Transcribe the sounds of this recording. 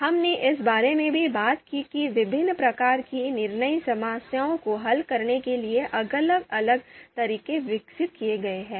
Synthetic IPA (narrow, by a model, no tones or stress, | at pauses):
hɐmneʔɪsbaːɾemẽbʱibaːt̪kikiʋɪbʱɪnːpɾɐkaːɾkinɪɾnəisɐmaːsjaːõkoɦɐlkɐɾnekelieʔɐɡələɡɐləɡ̚t̪ɐɾiːkeʋɪksɪt̪̚kijeɡɐeɦɛ̃ː